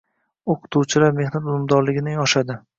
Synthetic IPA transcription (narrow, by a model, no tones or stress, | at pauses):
oqʰʊ̥t̪ʰuwt͡ʃʰɪlaɾme̞hnat̪ʊlɪmd̪ɒɾlɪɡʲɪnɪŋɒʃad̪ɪ